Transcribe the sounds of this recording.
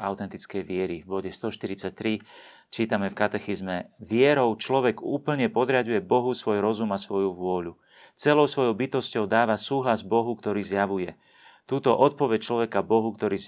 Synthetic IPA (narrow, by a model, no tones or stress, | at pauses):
aʊt̪ɛnt̪it͡skɛjʋɪɛɾivbɔɟɛst̪ɔʃt̪iɾit͡sac̚t̪ɾi | t͡ʃiːt̪amɛfkat̪ɛxizmɛʋɪɛɾɔʊt͡ʃlɔʋɛɡuːpl̩ɲɛpɔd̪ɾɪaɟujɛbɔɦusʋɔjɾɔzumasʋɔjuʋʊɔʎu | t͡sɛlɔʊsʋɔjɔʊbit̪ɔscɔʊd̪aːʋasuːɦlazbɔɦukt̪ɔɾiːzjaʋujɛ | t̪uːt̪ɔʔɔt̪̚pɔʋɛc̚t͡ʃlɔʋɛkabɔɦukt̪ɔɾiː